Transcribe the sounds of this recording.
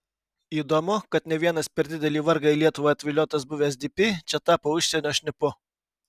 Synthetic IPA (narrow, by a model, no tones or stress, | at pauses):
iːd̪oːmʊkɐt̪nʲɛʋʲiɛnɐspʲɛɾʲd̪ʲɪd̪ʲɛlʲiːʋɐɾɡɑilʲiɛt̪ʊʋoːɐt̪ʲʋʲɪlʲoːt̪ɐsbʊʋʲɛsʲd̪ʲɪpʲɪt͡ʃʲɛt̪ɑːpoːʊʃʲsʲɛnʲoːʃʲnʲɪpʊ